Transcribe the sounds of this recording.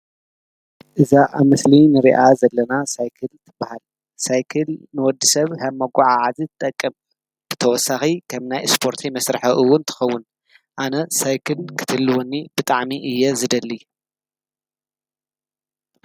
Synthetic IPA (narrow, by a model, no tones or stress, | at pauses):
ʔɨzaʔaβmɨslinɨɾḭʔazɐlːɐnasajkʰɨlt̪ʰɨbːahal | sajkʰɨlnɨwɔd̪ːisɐβhɐmːɐɡʷuʕaʕazit̪ʰɨt̪ʼɐkʼːɨm | b̥ɨt̪ʰɐwɔsːaxikʰɐmnajspʰo̞ɾt̪ʰimɐsɾɨħɐʔɨwːʊnt̪ʰɨ̥xɐwːʊn | ʔanɐsajkʰɨlkʰɨ̥t̪ʰɨlːwonːib̥ɨt̪ʼaʕmiʔɨjːɛzɨd̪ɐlːi